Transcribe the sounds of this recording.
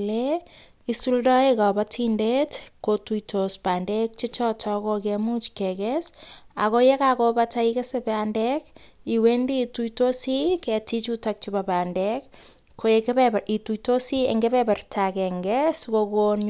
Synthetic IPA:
le | isuldɔekapatʰindetkotuitʰospandɛk̚t͡ʃit͡ʃɔtʰɔkokemut͡ʃkːɛkɛsa̰kojekakopataikesepeandɛkiwendituitosikɛtit͡ʃutak̚t͡ʃibabandɛk | kʰːoekituitosiḛŋɡepɛpɛrtʰakɛŋɡɛskokon

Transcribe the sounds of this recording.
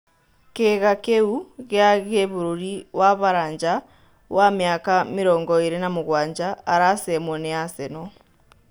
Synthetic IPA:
keɣakeuɣjaɣeβuɾuɾiwaβaɾaːɲd͡ʒa | wamjakamiɾoːŋɡoiɾenamuɣwaːɲd͡ʒaːɾasemwoneaseno

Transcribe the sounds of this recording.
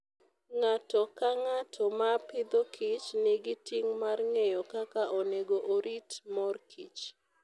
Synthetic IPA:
ŋatɔkaŋatʰɔmapɪd̪okʰit͡ʃnɪɡɪtiŋmarŋejɔkakaʔɔneɡoʔoɾitmɔrkʰḭt͡ʃ

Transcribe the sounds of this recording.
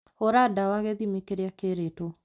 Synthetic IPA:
oɾadawaɣeðimekeɾeakeɾeto

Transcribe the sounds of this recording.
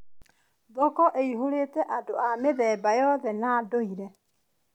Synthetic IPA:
ðɔkɔʔeiɦoɾetɛʔadoameðɛbajɔðɛnadoiɾɛ

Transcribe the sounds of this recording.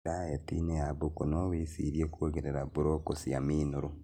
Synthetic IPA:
ɾajetḭneaβukonowisiɾjekuoɡeɾeɾaβuɾokosiamiːnuɾu

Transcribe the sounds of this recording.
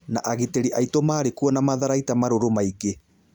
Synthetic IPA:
naʔaɣiteɾiʔaitɔmaːɾekuɔnamaðaɾaitamaɾoɾomaike

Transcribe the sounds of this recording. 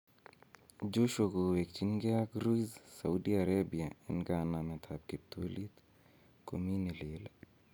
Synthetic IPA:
d͡ʒoʃokowekt͡ʃinɡeakɾuizsa̰udiaɾebiaenɡananat̪ʰap̚kep̚t̪ʰolit̪ | kominilela

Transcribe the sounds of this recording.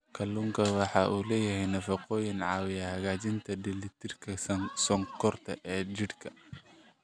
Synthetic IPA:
kʰɐluŋkʰɐwɑħɑːʔuːlɛːjɐhɛjnɐfɐqɔːjɪnʕɑːwɪjɐhɐɣaːt͡ʃɪnt̪ʰɐdɪlɪt̪ʰɪrkʰɐsɔŋkʰɔrt̪ʰɐʔɛːt͡ʃɪɽkʰɐ

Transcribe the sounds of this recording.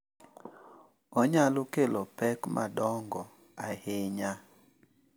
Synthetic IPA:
ɔɲalokelopɛkmʔa̰dɔŋɡɔ | aheɲa

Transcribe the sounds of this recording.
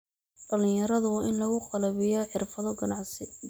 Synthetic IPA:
ɖ̥ɐlɪ̃jɐɾɐðʊwɑʔɪnlɐɣʊqɑlɐβɪjɔħɪrfɐðɔɡɐnɑʕsɪ

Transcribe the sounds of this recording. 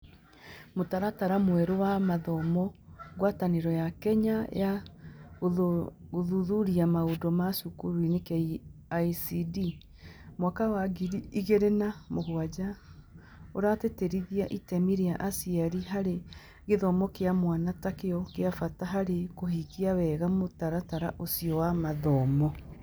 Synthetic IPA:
motaɾataɾamwɛɾowamaðɔmɔɣwataneɾɔjakɛɲaja | oðuðuɾiamaodɔmasukuɾinekɛaisidi | mwakawaɣiiiɣeɾenamoɣoad͡ʑa | oɾateteɾiðiaʔitɛmiɾiaʔasiaɾiɦaɾe | ɣeðɔmɔkeamwanatakeɔkeafataɦaɾekoɦikiawɛːɣamotaɾataɾa̰ʔosiɔwamaðɔmɔ

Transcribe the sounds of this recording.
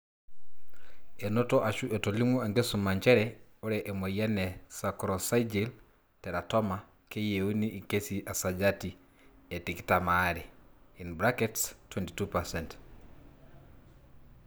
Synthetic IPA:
enotɔʔaʃuʔetolimwɔeŋɡesumaɲt͡ʃɛɾɛoɾɛʔemwejanɛsakɾɔsaid͡ʒil | tɛɾatɔma | kejeuniːkesiʔasad͡ʒati | etiki̥tamaɾeinbɾakɛtstwɛnti̥tupasɛnt

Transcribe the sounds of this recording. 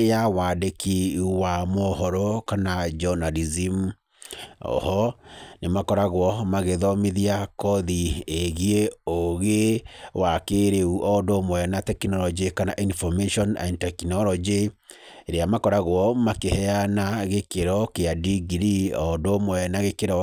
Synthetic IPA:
jawadekiuwamɔhɔɾɔkanad͡ʒɔnalizim | ɔ̰hɔnemakɔɾaɣwɔmaɣeðɔmeðiakɔðieɣieoɣewakeɾeuʔɔdomwɛnatɛkinɔlɔd͡ʒikanaʔinfɔmeʃɔna̰ntɛkinɔlɔd͡ʒe | eɾeamakɔɾaɣwɔmakehɛanaɣekeɾɔkeadiɡiɾiɔdomwɛnaɣekeɾɔ

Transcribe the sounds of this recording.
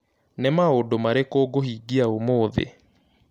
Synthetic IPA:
nemaodomaɾekoɡohiːɡiaomoːðḛ

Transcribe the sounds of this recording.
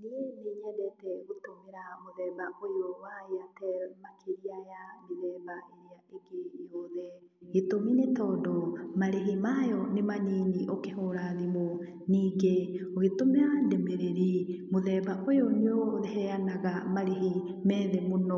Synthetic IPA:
neeneɲɛdɛtɛɣotomeɾamoðɛːbaʔojowaeatɛmakʰeɾiajameðɛːbaeɾeaeɡejɔðɛ | etominetɔdɔmaɾeɦimajɔnemaneːniʔokeɦoɾaðimo | niːɡeoɣetomeɾandemɾeɾimoðɛbaʔojoneoðɛɦɛanaɣamaɾeɦi | mɛːðemonɔ

